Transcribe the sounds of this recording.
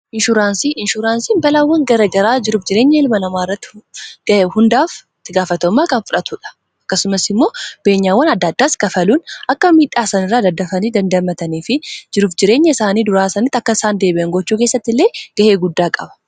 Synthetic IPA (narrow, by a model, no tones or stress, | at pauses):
ʔɪnʃʊɾaːnsiːʔɪnʃʊɾaːnsiːnbɐlawːɐŋɡɐɾɐɡɐɾaːd͡ʒɪɾuːfd͡ʒɪɾe̞ːɲːɐɪlmɐnɐmaːɪrːɐt̪ːɪ̥ɡ̥ɐhʊnd̪aːf | t̪ːɪɡaːfɐt̪ɔmːaːkɐnfʊᶑɐt̪ʊᶑɐ̥ | ɐkːɐsʊmɐsɪmːo̞ːb̥eːɲːaːwːɐnɐd̪ːɐd̪ːaːskɐfɐluːnɐkːɐmiːᶑaːsɐnɪrːaːd̪ɐd̪ːɐfɐniːd̪ɐnd̪ɐmːɐt̪ɐniːfɪd͡ʒɪɾuːfd͡ʒɪɾe̞ːɲːɐɪsaːniːd̪ʊɾaːsɐnɪt̪ːɐkːɐɪsaːnd̪e̞ːbɪʔɐŋɡɔt͡ʃːuːkeːsːɐt̪ːɪlːeːɡ̥ɐhe̞ːɡʊd̪ːaːkʼɐbɐ̥